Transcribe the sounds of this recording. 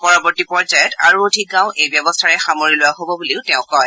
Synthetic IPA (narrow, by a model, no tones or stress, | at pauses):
pɔɹɔbɔɹtipɔɹzajɛtaɹuodʱik̚ɡãʊ̃ʔejbjɔbɔstʰaɹɛxamoɹilʊwaɦobɔbuliʊtɛʊ̃kɔj